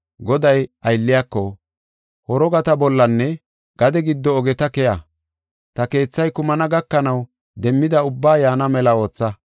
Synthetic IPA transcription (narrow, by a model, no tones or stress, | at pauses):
ɡɔd̪ɐjɐjlːɪjakːɔ | hɔɾɔɡɐt̪ɐbɔlːɐnːɛ | ɡ̥ɐd̪ɛɡɪd̪ːɔːɡɛt̪ɐkɛja | t̪ɐke̞ːt͡sːɐjkʊmɐnɐɡɐkːɐnɐw | d̪ɛmːɪd̪ɐʊbːaːjaːnɐmɛlɐo̞ːt͡sːɐ